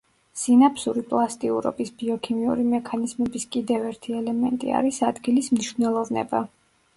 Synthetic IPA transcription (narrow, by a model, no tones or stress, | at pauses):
sinapsuɾipʼlˠast̪ʼiṵɾɔ̰bisb̥iɔkʰimiṵɾimɛkʰanizmɛbiskʼid̪ɛvɛɾt̪ʰiɛlɛmɛnt̪ʼḭa̰ɾisad̪ɡilismniʃvnɛlˠɔvnɛ̰ba